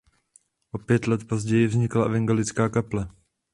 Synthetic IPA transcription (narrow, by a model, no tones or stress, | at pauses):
ʔo̞pjɛt̪lɛt̪po̞zɟɛjɪvzɲɪklavɛŋɡalɪt͡skaːkaplɛ